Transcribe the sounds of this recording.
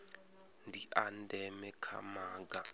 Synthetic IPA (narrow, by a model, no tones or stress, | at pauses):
ndʱiʔandʱɛmɛkʰa̰maːɡa